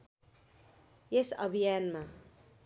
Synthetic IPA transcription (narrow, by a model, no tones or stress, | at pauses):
esʌbʱijanma